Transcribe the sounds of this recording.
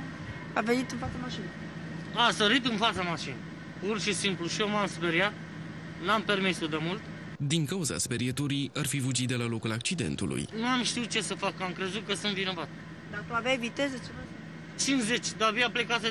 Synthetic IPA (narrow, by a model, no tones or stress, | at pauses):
avenit̪ɨnfat̪samaʃin | asəɾit̪ɨnfat̪samaʃin | purʃisimpluʃiomamspeɾjat̪ | nampe̞rmisud̪emult̪ | d̪iŋkauza̰spe̞ɾiet̪uɾiarfivud͡ʒit̪̚d̪e̞lalo̞kulak̚t͡ʃid̪e̞̰nt̪ṵlṵjnuamʃt̪iut̪̚t͡ʃe̞səfakamkɾe̞zut̪̚kəsɨnt̪vino̞vat̪ | d̪akəaveajvit̪ezet͡ʃena | t͡ʃinze̞t͡ʃʲd̪abiaplekase